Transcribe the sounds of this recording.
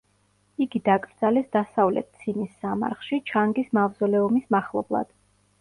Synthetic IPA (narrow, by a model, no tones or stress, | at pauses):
iɡid̪akʼɾd̪z̥alɛsd̪asavlɛ̰t̪̚t̪sʰinisːama̰ɾχʃit͡ʃʰaŋɡismavzɔlɛɔmismaχlˠɔblˠa̰d̪̥